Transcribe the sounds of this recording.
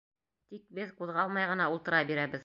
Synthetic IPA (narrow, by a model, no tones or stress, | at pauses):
t̪ik̚bɘðquðʁɑlˠmɑjʁɤ̆nɑulˠt̪ɤ̆ɾɑbiɾæβɘð